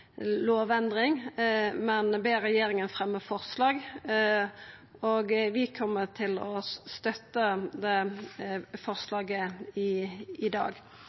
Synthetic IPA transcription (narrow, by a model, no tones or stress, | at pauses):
loːʋɛnd̪ɾɪŋmɛnbeːɾɛjeːɾɪŋənfɾɛmːəfɔʁslɑːɡ | oːɡʋɪkʰɔmːəʈ̪ʰɪlɔst̪œt̪ːəd̪ɛ | fɔʁslɑːɡəɪɪd̪ɑ̰ːɡ